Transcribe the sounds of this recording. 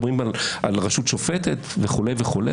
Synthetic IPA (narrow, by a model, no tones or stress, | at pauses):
bʁimaʔalʁaʃutʃofet̪et̪veχule̞jveχulḛ